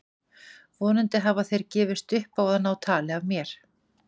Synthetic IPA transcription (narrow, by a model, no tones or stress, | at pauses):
vɔːnʏnt̪ɪɦavaθejɾcɛːvɪst̪ʏhpaːwðanːawt̪ʰaːlɪavmjɛɾ̥